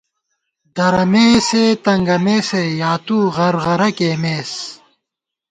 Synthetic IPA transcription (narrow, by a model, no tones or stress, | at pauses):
d̪ɐɾɐmeːseːt̪ɐŋɡɐmeːsejaːt̪uːʁɐɾʁɐɾɐkeːmeːs